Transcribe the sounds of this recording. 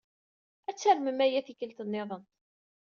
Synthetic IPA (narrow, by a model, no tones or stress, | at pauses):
æt͡sːəɾməmæjæθikəlt̪ənːeðˤən